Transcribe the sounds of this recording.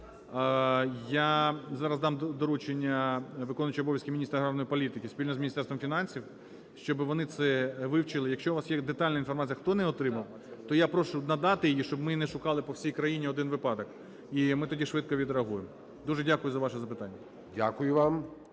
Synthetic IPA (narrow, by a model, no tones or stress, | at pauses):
jazɑɾɐzd̪ɑmd̪ɔɾut͡ʃenʲːɐʋɪkɔnʊt͡ʃiɔbɔʋjɐskɪmʲinʲist̪ɾɐɦɾɑnɔjipɔlʲit̪ɪkʲɪsʲpʲilʲnɔzmʲnʲisɛrsʋɔmfʲin̪ɑnʲsʲiw | ʃt͡ʃɔbɪʋɔnɪt̪sɛʋɪwt͡ʃɪlˠɪjɐkʃt͡ʃɔʋɑsjɛd̪et̪ɑlʲnɐɪinfɔrmat͡sʲijɐxt̪ɔnɛɔt̪ɾɪmɐw | t̪ɔjapɾɔʃʊnɐd̪ɑt̪ɪjɪjiʃt͡ʃɔbmɪnɛʃʊkɑlˠɪpɔwsʲijkɾɐjinʲiɔd̪ɪnʋɪpɑd̪ɐk | imɪt̪ɔdʲiʃʋɪt̪̚kɔʋʲid̪ɾeɐɦujem | d̪uʒɛdʲakʊjʊzɐʋɑʃɛzɐpɪt̪ɑnʲːɐ | dʲakʊjʊʋɑm